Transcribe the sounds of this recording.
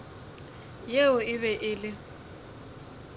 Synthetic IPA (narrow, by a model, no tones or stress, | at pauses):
jeʊɪβɛʔɪːlɪ